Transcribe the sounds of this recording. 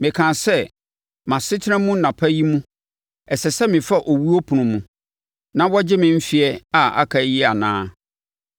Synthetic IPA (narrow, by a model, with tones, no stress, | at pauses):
mɪ̃˨kʰã˨sɛ˦ | mã˨sɪ˦tʰɪ˦nã˦mũ˦nã˨pʰa˦ji˦mũ˦ | ɛ˨sɛ˨sɛ˦mɪ̃˨fa˦ʔo˨wu˦o˦pʰʊ˨nʊ̃˨mũ˨ | nã˦wɔ˦d͡ʑɪ˦mɪ̃˨m̩˦fi˨ɛ˦a˨a̰˦kʰa˨˦jɪ˦a˨nã̰ː˦